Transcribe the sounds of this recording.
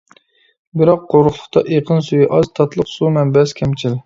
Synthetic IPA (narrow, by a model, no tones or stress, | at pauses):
bɪɾɑqːoɾʊχlˠʊχt̪ʰɑʔeqʰənsujiʔɑzt̪ʰɑt̪lˠəqsumɛnbɛskʲʰɛmt͡ʃʰil